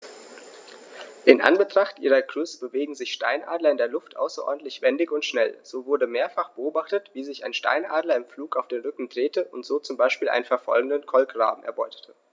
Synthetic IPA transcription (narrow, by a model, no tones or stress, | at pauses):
ʔɪnʔa̰nbətʁ̥aχtʔḭːʁɐɡʁ̥ʏsb̥əveːɡŋ̩zɪçʃta̰ɪnʔa̰ːdlɐɪndeːɐlʊftʔa̰ʊsɐʔɔ̰ɐdn̩tlɪçv̥ɛndɪçʊntʃnɛlz̥oːvʊɐdəmeːɐfaχb̥əʔoːbaχtətv̥iːzɪçaɪnʃta̰ɪnʔaːdlɐɪmfluːkaʊfd̥eːnʁʏkŋ̩dʁeːtʰəʔʊntz̥oːt͡sʊmbaɪʃpiːlʔa̰ɪnənfɛɐfɔ̰lɡŋ̩dənkʰɔlkʁa̰ːbm̩ʔɛɐbɔʏtʰə̥tʰə̥